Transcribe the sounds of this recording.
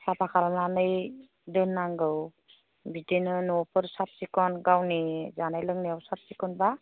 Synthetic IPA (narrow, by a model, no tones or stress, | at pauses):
sapʰakʰalmanɯj | dɯnːaŋɡɯw | bidenɯnɔpʰɯɾsat̚sikɔnɡawnizanajlɯŋniawsat̚sikɔnba